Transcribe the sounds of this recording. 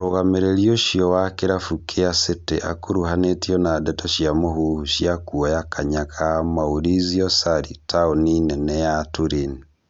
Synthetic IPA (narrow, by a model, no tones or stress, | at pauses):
oɣameɾeɾjoʃiɔwakeɾafukʰeasetḛʔa̰koɾuɦanetiɔnadɛtɔʃjamoɦuhuʃiakuɔjakʰaɲakʰamaoɾiziɔsaɾitʰaoninɛnɛjatoɾeni